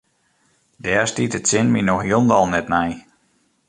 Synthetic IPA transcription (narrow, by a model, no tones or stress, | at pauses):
dɛːstitətsɪnminɔxiəlˠndɔlˠnɛtnɛj